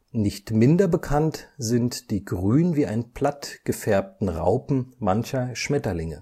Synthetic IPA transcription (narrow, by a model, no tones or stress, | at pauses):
nɪçtmɪndɐbəkʰantz̥ɪntd̥iːɡʁyːnviːʔaɪnpʰl̥atɡ̥əfɛɐp̚tn̩ʁa̰ʊpm̩mançɐʃmɛtɐlɪŋə̰